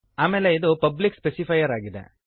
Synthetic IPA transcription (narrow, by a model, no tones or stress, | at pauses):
aːmeːleiðupɐblikspɛsifɐjɐɾaːɡid̪ḛ